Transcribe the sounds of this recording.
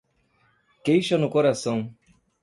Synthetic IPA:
kejʃɐnʊkoɾasɐ̃w̃

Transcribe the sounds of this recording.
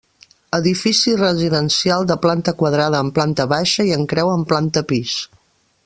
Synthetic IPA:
əðifisirəziðənsialˠd̪əplant̪əkwəðɾað̞əːmplant̪əβaʃəiəŋkɾɛwəmplant̪əpis

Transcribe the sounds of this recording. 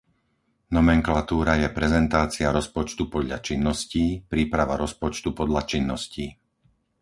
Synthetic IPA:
nɔmɛŋklat̪uːɾajɛpɾɛzɛnt̪aːt͡sɪaɾɔspɔt͡ʃt̪upɔd̪ʎat͡ʃinːɔsciːpɾiːpɾaʋaɾɔspɔt͡ʃt̪upɔd̪ʎat͡ʃinːɔsciː

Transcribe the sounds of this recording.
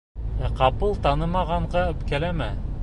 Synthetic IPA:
æqɑpɤlˠt̪ɑnɤmɑʁɑɴɢɑɵ̆pkælæmæ

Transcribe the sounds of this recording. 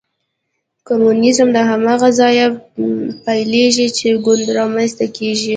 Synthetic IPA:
komunɪzmd̪əɦamɑɣazɑja | pajleʒit͡ʃeɡʊnd̪ɾɑmanst̪akeʒi

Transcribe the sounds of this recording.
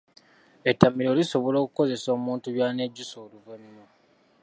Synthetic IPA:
etːamiɾoːliso̞βo̞lo̞ːkuko̞ze̞so̞ːmuːntuβjaːneɟːusoːluβenːo

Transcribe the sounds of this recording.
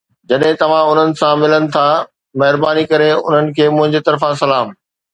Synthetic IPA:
d͡ʑɐɗɦɪ̃t̪ɐʋ̤ãʊn̤ənɪ̆sãmɪlənɪ̆t̪ʰa | mɐɦɪɾbaːnikɐɾeʊ̰n̤ənɪ̆kʰeːmʊ̃ɦɪ̃ɲd͡ʑet̪ɐɾfãsɐlaːm

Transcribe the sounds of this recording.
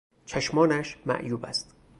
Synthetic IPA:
t͡ʃʰæʃmɒːnæʃmæ̰ʔjuːbæst̪

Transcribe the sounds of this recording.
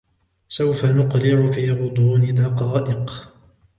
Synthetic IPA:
sawfanʊqlɪʕʊfiːɣʊd̪ˤuːnid̪ɑqɑːʔɪq

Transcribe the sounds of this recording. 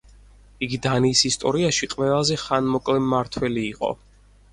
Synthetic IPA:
iɡid̪aniːsist̪ʼɔɾiaʃiqʼvɛlˠazɛχanmɔkʼlɛmːaɾt̪ʰwɛliːqʼɔ̰

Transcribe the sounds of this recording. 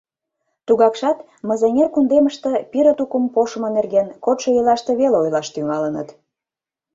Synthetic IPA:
t̪uɣɑkʃɑt̪ | mə̆zenʲerkund̪eməʃt̪ĕpiɾə̆t̪ukəmpoʃəmŏnerɣenkot̪ʃojəlɑʃt̪ĕβeleojlɑʃt̪yŋɑlənə̰t̪

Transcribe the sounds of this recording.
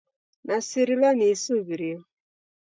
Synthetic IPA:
nasiɾilanisoβiɾiɔ

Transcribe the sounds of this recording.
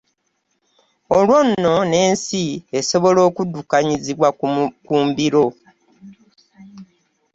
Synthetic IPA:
olwo̞nːo̞ne̞ːnsieso̞βo̞lo̞ːkudːukaɲiziβwakuːmbiɾo̞

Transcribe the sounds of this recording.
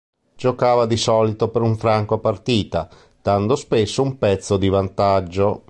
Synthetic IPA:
d͡ʒokaːvad̪isɔːlit̪opeɾuɱfɾaŋkoapart̪iːt̪a | d̪̥and̪ospesːoumpɛt̪sːod̪ivant̪ad͡ʒːo

